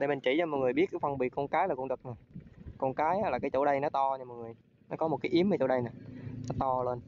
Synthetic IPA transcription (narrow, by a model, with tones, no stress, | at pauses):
ɗe˧˩mi˨˩ŋ̟t͡ɕi˧˩t͡ɕaː˧mɔ˨˩ŋ˨˩əɓi˦˥ət̚kːfə˧nɓi˨ək̚kɔ˧nkaː˨˦jlaː˨˩ku˧ŋ͡mɗɨ˨˩k̚nɔ˨˩jkɔ˧nkaː˨˦jaː˦laː˨˩kaː˨˦jt͡ɕo̰˧˩ɗə˧jnɔ˨˦t̪ɔ˧ɲɨ˧m̚˨˩ŋɨ˨˩əj | nɔ˨˦kɔ˨˦mo˨˩t̚kaː˨˦jʔi˨˦əmvə˨˧˦t͡ɕo̰˧˩ɗə˧jnaː˨˩nɔ˨˦t̪ɔ˧ləː˧n